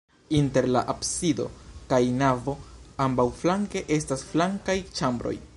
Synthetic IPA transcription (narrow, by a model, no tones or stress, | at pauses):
inte̞ɾla̰ʔapsido̞̰kajnavo̞ambawflaŋke̞ʔe̞stasflaŋkajt͡ʃambɾo̞̰j